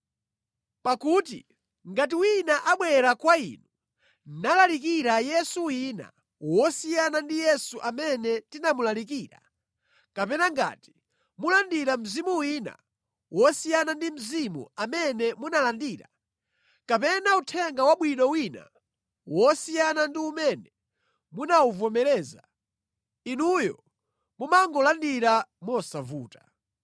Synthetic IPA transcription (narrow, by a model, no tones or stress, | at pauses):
pakuːtḭ | ŋɡat̬iwinaʔaɓwɛɾakwaḭnu | nalalikiɾajɛsuwiːna̰ | wɔsijanandijɛsuʔamɛnɛtinamulalik̬iːɾa̰ | kapɛnaŋɡa̰ːti̥ | mulandiɾam̩zimuwiːna̰ | wɔsijanandim̩zimṵamɛnɛmunalandiːɾa | kapɛnautʰɛŋɡawaɓwinɔwina̰ | wɔsijanandiumɛnɛ | munauvɔmɛɾɛːza | inujɔ̰ | mumaŋɡɔlandiɾamɔsavuːta